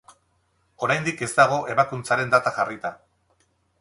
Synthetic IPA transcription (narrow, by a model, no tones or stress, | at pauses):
o̞ɾajnd̪ike̞zt̪aɣ̞o̞ʔe̞βakunt͡saɾe̞nd̪at̪aʝarit̪a